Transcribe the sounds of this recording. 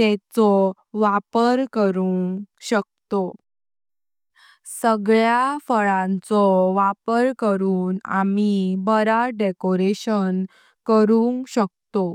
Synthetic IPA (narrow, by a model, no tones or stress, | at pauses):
t̪ɛt͡sɔ | ʋapəɾkəɾuŋɕək̚t̪o | səɡɭjafəɭãnt͡sɔʋapəɾkəɾuːna̰mibəɾaɖekoɾeɕən | kəɾuŋɡɕək̚t̪o